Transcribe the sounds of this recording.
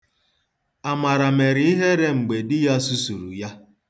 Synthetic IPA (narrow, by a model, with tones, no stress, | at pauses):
a˨ma˨ɾa˨me˨ɾi˨˦i˦ɦe˦ɾe˦ŋ͡m̩˨ɡ͡be˨dɪ˦ja˦su˦su˨ɾṵ˨ja˦